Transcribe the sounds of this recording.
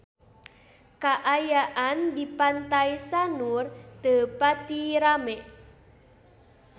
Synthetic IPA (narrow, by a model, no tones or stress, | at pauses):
kaʔajaʔandipant̪ajsanurd̪̥ə̤pat̪iɾamɛʔ